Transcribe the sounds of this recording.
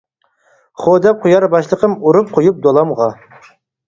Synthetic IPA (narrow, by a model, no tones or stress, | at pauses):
χod̪ɛp̚qʰʊjɑɾbɑʃlˠəqʰəmuɾup̚qʰojup̚d̪olˠɑmʁɑ